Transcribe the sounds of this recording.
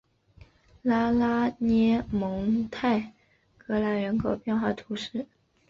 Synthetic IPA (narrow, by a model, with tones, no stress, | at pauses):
la˥la˥nɛ˥mɤ˧˥ŋt̪ʰa˥˩ɪ | kɤ˧˥la˧˥nɻə˧˥nkʰo˨˩ʊpjɛ˥˧nxwa˥˩t̪ʰu˧˥ʂɻ̩˥˩